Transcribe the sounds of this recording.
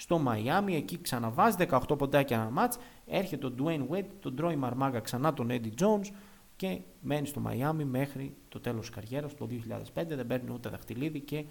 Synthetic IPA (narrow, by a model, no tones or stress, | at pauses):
st̪o̞mɐiɐmie̞ciksɐnɐvɐziðe̞kɐoxt̪o̞po̞nd̪ɐcenɐmɐt͡s | e̞ɾçe̞t̪eod̪uenwed̪t̪o̞d̪ɾo̞imɐɾmɐɡɐksɐnɐt̪o̞ned̪id͡zo̞uns | ce̞ | me̞nist̪o̞mɐ̰iɐmime̞xɾit̪o̞t̪e̞lo̞skɐɾʝe̞ɾɐst̪o̞ðio̞çiʎɐ̰ðe̞spe̞nd̪e̞ðebe̞ɾnḭut̪e̞ðɐxt̪iliðice̞